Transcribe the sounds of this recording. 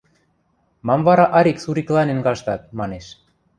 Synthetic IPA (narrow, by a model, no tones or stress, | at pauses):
mɑmvɑɾɑʔɑɾiksuɾiklɑnĕnɡɑʃt̪ɑt̪̚mɑneʃ